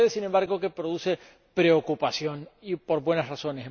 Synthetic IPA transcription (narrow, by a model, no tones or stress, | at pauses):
ðesine̞mbaɾɣo̞kepɾo̞ðuse̞ | pɾe̞okupasjo̞nipo̞ɾbwe̞nasraso̞nes